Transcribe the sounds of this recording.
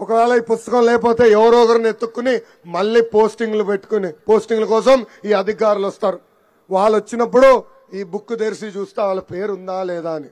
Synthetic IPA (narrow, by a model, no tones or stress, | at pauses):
ɔkɐʋɛːɭɐiːpust̪ɐkɐmlɛːkɐp̬oːt̪e̞ːɛʋɐɾoːkɐɾne̞t̪ːukːuni | mɐɭːiːpo̞ːsʈiŋɡlupeʈːu̥kunipo̞ːsʈiŋɡlɐkɔːsɐmiːɐd̪ʱik̬aːɾulɐst̪aːɾu | ʋaːɭɐt͡ʃːinɐp̬ːuɽu | iːbukːud̪eɾsit͡ʃuːst̪eːʋaːɭɐpe̞ːɾund̪aːlɛːd̪aːɐni